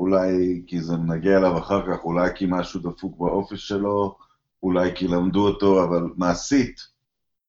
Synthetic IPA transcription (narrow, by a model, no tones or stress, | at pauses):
ulajkizemenaɡeaelavaχaʁkaχulajkimaʃud̪afukbaʔo̞fiʃe̞lo̞ | ulajkilamd̪uoto̞avalmaːsit̪